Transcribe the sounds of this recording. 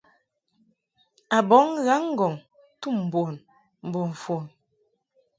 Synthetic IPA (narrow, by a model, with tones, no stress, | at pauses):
a˨bɔ˨˦ŋɣa˨˦ŋ˦ɡɔ˨ŋ | tu˦˨m̩˨bo˨n | m̩˨bo˨ɱ˨fo˨n